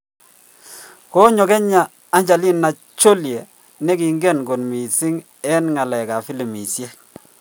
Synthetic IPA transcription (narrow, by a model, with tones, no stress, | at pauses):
kɔ˦ɲɔ˨kɛ˦ɲaː˨˦ | ɲd͡ʒa˨li˦nːa˨ | t͡ʃo˦ljɛ˨ | nɛ˦ki˨ŋɡɛ˦˨nɡo˨nmi˨si˦ŋ | ɛ˦nŋa˨lɛ˨ka˨fi˦li˨mi˨sjɛ˦